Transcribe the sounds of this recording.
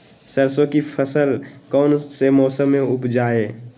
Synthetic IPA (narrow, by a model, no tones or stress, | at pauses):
səɾsõkipʰəsəlkɔːnsemɔːsəmːẽʊpd͡ʒaːeː